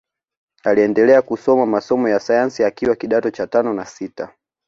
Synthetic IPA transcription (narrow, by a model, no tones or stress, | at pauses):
aliɛndɛlɛakusɔmamasɔmɔjasajansiakiwakiɗatɔt͡ʃatanɔnasita